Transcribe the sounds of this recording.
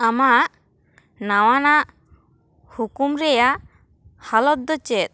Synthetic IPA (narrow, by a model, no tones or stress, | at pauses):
amaʔ | nawanaʔ | hukumɾɛjaʔ | halɔt̪̚d̪ɔt͡ʃɛt̪̚